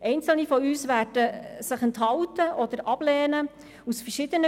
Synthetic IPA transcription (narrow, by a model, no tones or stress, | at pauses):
ʔɛɪnt͡sl̩nifɔyːsʋæːrd̥əsɪχɛnthɑwtəʔɔd̥̪əɾʔɑb̥lɛːnə | usfərʃɪd̥̪ənə